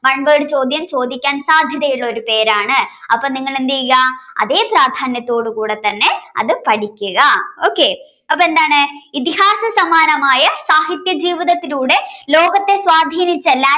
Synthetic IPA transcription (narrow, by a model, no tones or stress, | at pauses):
mɐɳbeːɽɨt͡ɕo̞ːd̪ʱjɐmt͡ɕo̞ːd̪ʱikʲːaːnsaːd̪ʱjɐðɐjuɭːɐo̞ɾupe̞ːɾaːɳɨɐpːɐːniŋːɐɭend̪ijɣɐɐ̰ðe̞ːpraːd̪ʱaːnjɐt̪ːo̞ːɽukuːɽe̞t̪ːɐnːe̞ɐ̰ðɨpɐʈikʲːuɣɐo̞ːkːe̞ | ɐpːoend̪aːɳɨit̪ihaːsɐsɐmaːnɐmaːjɐsaːɦit̪jɐd͡ʑiːʋiðɐt̪ːiluːɽe̞lo̞ːɡɐt̪ːe̞sʋaːd̪ʱiːnit͡ɕːɐlːa